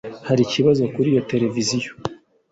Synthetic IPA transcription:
haɾiciβazo̞kuɾijo̞te̞ɾe̞vizijo̞

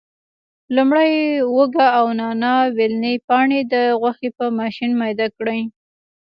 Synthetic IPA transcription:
lumɽajwoɡaːwnɑnɑwelnejpɑɳed̪əɣwaxepəmɑʃinmɑjd̪akɽəj

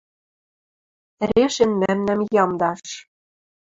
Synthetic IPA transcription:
ɾeʃɘ̆nmæmnɘ̆mjɑmd̪ɑʃʃ

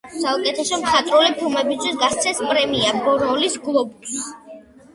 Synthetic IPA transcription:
saukʼɛt̪ʰɛsɔmχat̪ʼɾulipʰilˠmɛbist̪ʰwisɡast̪sʰɛspʼɾɛmiabɔɾɔlisɡlˠɔbus

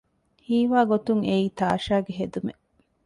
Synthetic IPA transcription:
hiːʋaːɡot̪uŋeiːt̪aːʃaːɡeɦed̪ume

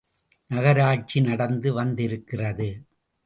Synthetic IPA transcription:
nɐɣɐɾaːt͡ʃinɐɽɐnd̪ɯʋɐnd̪ɪɾɯkːɪrɐðɯ

